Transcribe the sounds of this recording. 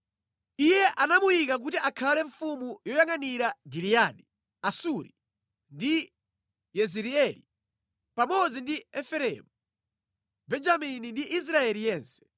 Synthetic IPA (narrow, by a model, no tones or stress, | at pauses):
ijɛʔanamujikak̬utiʔakʰalɛɱfumujɔjaŋaniɾaɡiliaːɗi | asuɾḭ | ndi | jɛziɾiɛli | pamɔd͡zindiɛfɛɾɛ̰mu | bɛnd͡ʒaminindiʔis̬ɾaɛlijɛːnsɛ̥